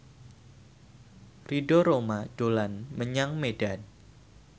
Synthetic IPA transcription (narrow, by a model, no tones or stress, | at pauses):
ridoɾomaɖ̥olanməɲaŋmedan